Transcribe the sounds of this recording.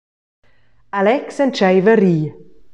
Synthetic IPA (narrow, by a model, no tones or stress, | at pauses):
alɛksənt͡ʃɛjvəɾiː